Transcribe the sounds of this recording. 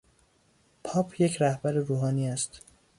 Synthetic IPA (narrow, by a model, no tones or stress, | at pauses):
pʰɒːpʰjecʰɾæhbæɾeɾuːɦɒːniːæst̪